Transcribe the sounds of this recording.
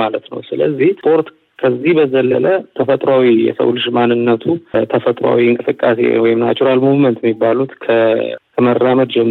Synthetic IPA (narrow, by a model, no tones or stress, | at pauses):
malət̪nə̰wsɨləzːihpʼo̞ɾt̪ | kʰəzːihbəzəlːələt̪ʰəfət̪ʼɾawijɛ̰sə̰wlɨʃmanːɨnːət̪ʰut̪ʰəfət̪ʼɾa̰wiɨŋkʼɨsɨkʼːasḛwɔjɪmnat͡ʃːuɾalmuvmənt̪jɛmːibːalut̪kʰəkʰəmərːaməd̪d͡ʒɛmː